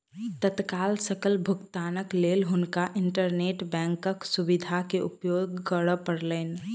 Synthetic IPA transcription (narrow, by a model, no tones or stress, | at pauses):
t̪ət̪kaːlsəkəlbʱʊɡt̪aːnəkleːlɦʊnkaʔɪ̃ɳʈəɾneːʈbɛ̃ːŋkəksʊbɪd̪ʱakeʔʊ̰pjoːɡːəɽəpəɽleːn